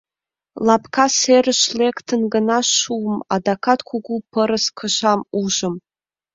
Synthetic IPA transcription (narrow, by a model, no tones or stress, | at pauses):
lɑpkʰaserəʃlekt̪ʰənɡənɑʃuəma̰d̪akʰat̪kʷʰuɡupʰəɾəskʰəʃɑmuʒəm